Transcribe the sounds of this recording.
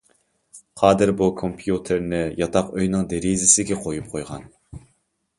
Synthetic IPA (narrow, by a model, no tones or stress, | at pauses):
qʰɑːd̪ɨɾbukʰompʰjut̪ʰɪɾnɪjɑt̪ʰɑqøjnɪŋd̪eɾizɪsɪɡʲɛqʰojup̚qʰojʁɑ̰n